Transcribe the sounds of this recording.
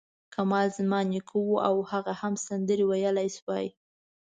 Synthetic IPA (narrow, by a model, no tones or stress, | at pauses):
kamɑlzmɑnikʰuwuʔawhaɣahamsand̪əɾiwajəlajswɑj